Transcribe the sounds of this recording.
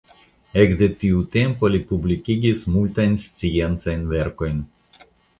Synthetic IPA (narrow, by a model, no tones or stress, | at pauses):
ekd̪et̪iut̪empolʲipublʲikʲiɡʲismulʲt̪ajnst̪sijent̪sajnveɾko̞jn